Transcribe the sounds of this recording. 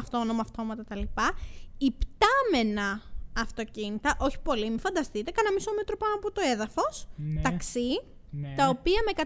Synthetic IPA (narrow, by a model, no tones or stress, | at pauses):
ɐft̪o̞no̞mɐɐft̪o̞mɐt̪ɐt̪ɐlipɐipt̪ɐme̞nɐːft̪o̞cinit̪ɐʔo̞çi̥po̞limifɐnd̪ɐst̪it̪e̞kɐnɐmisomet̪ɾopɐnɐpot̪o̞e̞ðɐfo̞st̪ɐksi | t̪ɐo̞piɐme̞kɐ